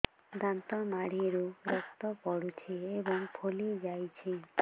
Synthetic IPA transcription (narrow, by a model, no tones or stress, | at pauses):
d̪ant̪ɔmaɽ̤iɾuɾɔkt̪ɔpɔɽut͡ʃʰiebɔŋpʰolid͡ʒajt͡ʃʰi